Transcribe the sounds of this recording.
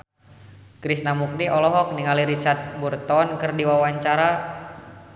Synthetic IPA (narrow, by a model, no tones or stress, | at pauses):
kɾisnamuk̚diʔɔlɔɦɔk̚niŋaliɾit͡ʃart̪̚burt̪ɔnkɨrdiwawaɲt͡ʃaɾa